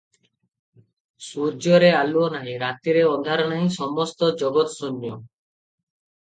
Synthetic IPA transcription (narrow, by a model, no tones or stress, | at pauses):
suɾd͡ʒjɔɾealuɔnaɦĩɾat̪iɾeɔd̪ʱaɾɔñaɦĩsɔmɔst̪ɔd͡ʒɔɡɔt̪sonːjɔ